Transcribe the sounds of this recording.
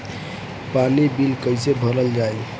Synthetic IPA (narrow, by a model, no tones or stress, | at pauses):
panibilkəɪjsebʱəɾəld͡ʒaj